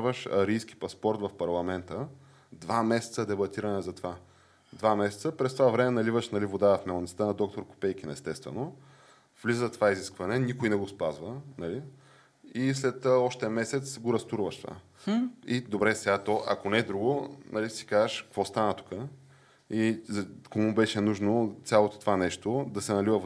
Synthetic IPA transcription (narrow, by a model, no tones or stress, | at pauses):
vəʃɐ̰ɾijsk̟i̥pɐspɔɾt̪vɐfpɐɾlˠɐmɛnt̪ə | d̪vamɛsɛ̥t̪səd̪ɛbɐt̪iɾɐnɛzɐt̪ova | d̪vamɛsɛ̥t̪səpɾɛst̪ovavɾɛmɛnɐlivəʃnɐlivod̪aəfmɛlˠnit̪t̪ənɐd̪ɔk̚t̪oɾko̥pɛjk̟inɐɛst̪ɛst̪vɛ̰no | v̥lizət̪ovaiziskvɐnɛnikojnɛɡospazvənɐli | islɛt̪ɔʃt̪ɛɐmɛsɛt̪sɡoɾɐst̪uɾvəʃt̪ova̰ | id̪obɾɛsɛɡat̪ɔʔɐ̰konɛd̪ɾuɡonʔɐlisi̥kazəʃkkvɔst̪anət̪u̥kə | izkomubɛʃɛnuʒnot̪sʲjalˠot̪o̥t̪ovanɛʃt̪od̪ɐsɛnɐlivə